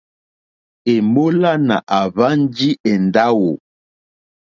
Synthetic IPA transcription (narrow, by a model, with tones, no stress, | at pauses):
e˨mo˦la˦na˨ʔa˨βa˦n˦d͡ʒi˦ʔɛ˨nda˦wo˨